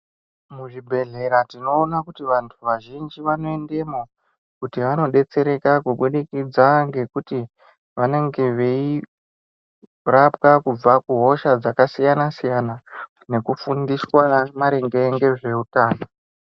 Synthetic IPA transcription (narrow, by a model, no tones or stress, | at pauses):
muʐibʱe̞ɮe̞ɾatino̞ːnakutiʋantʰuʋaʒind͡ʒiʋano̞e̞nde̞mo | kutiʋano̞ɗe̞t͡se̞ɾe̞kakuɓuɗikid͡zaŋɡe̞kuti | ʋane̞ŋɡe̞ʋei | rapkakub͡vakuɦo̞ʃad͡zakasijanasijana | ne̞kufundiswamaɾeŋɡeŋɡe̞ʐe̞utaːno